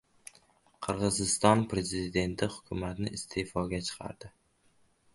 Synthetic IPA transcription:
qʰɨɾʁɨzɪst̪ɒnpɾe̞zɪzɪd̪e̞nt̪ʰɪhʊkʲʰʊmat̪nɪʔɪst̪ʰe̞fɒɡʲat͡ʃʰɨ̥qʰɑ̰ɾd̪̥ɪ

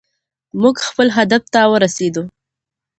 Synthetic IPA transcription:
muɡxpəlɦad̪aft̪awəɾased̪u

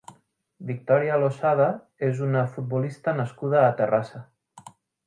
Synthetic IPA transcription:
bik̚t̪ɔɾialosaða | ezunəfut̪̚bulist̪ənəskuð̞əːt̪ərasə

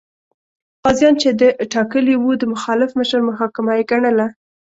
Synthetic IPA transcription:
qɑzjɑnt͡ʃed̪əʈɑkəliwud̪əmʊxɑlɪfməʃəɾməɦɑkɪmajeɡaɳəla

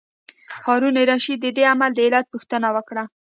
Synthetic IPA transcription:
hɑɾuneɾɑʃid̪əd̪eamald̪əelat̪̚puxt̪ənawəkɽa

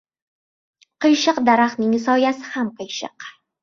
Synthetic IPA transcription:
qɨjʃɨqd̪aɾaχnɪŋsɒjasɪ̥hamqʰɨjʃɨ̰q

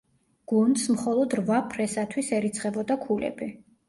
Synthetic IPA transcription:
ɡ̥und̪smχɔlˠɔd̪ɾvapʰɾɛsat̪ʰwisɛɾit̪sʰχʼɛbɔd̪akʰulɛ̰bi

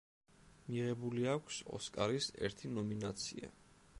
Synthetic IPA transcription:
miʁɛbuliakʷʰsɔ̰skʼaɾisɛ̰ɾt̪ʰinɔminat̪sʰḭa̰

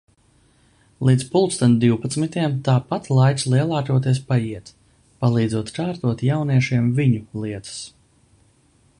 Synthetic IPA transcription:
lˠiːt̪spulˠkst̪and̪iwpat̪smit̪ʲiɛmt̪aːpat̪lˠajt̪slˠiɛlˠaːt̪uɔt̪iɛspajiɛt̪ | palˠiːd̪zuɔt̪kaːɾt̪uɔt̪jawniɛʃiɛmviɲulˠiɛt̪ɨ̥s

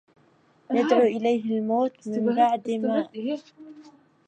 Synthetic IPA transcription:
jad̪ʕuːʔɪlajɦɪlmoːt̪mɪmbaʕd̪maːʔ

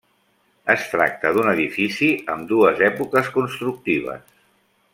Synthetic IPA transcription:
əst̪ɾa̰k̚t̪əðunəðifisiəmd̪uəzɛpukəskunst̪ɾuk̚t̪iβ̞ə̰s

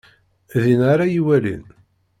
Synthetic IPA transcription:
ðinaɾˤajiwælḭn

